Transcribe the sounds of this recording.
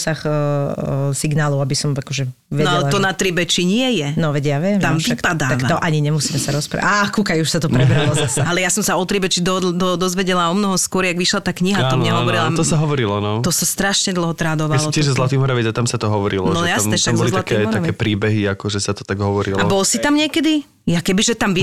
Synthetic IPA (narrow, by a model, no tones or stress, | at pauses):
sax | siɡnaːlɔʊabisɔmakɔʒɛ | ʋɛaɛlɛlat̪ɔnat̪ɾibɛt͡ʃiɲɪɛjɛnɔʋɛɟjaːʋɪɛmt̪amʋiakpad̪aːaʋaɔʔaɲiɲɛmusiːmɛsaɾɔspɾa̰akukajuʃsat̪ɔpɾɛbɾalɔzasaalɛjasɔmsaɔt̪ɾibɛt͡ʃid̪ɔd̪ɔd̪ɔzʋɛɟɛlaɔmnɔɦɔskwʊɔɾjaɡʋiʃlat̪aːkɲiɦat̪ɔmɲɛɦɔɔɾilat̪ɔsaɦɔʋɔɾilɔnɔɔsast̪ɾaʃɲɛd̪l̩ˠɦɔt̪ɾaːd̪ɔʋalsɔt̪ɪɛʒzɔzlat̪iːmɔɾaʋɛat̪amsat̪ɔɦɔʋɔɾḭlɔnɔjasamb̪ɛʃamɡzɔlizlatkiɛɔɾt̪akɛːpɾiːbɛɦiakɔʒɛsat̪ɔ̥t̪aɡɦɔʋɔɾḭlaɔbɔlsit̪amɲɪɛkɛd̪i | jakɛbiʒɛt̪amʋi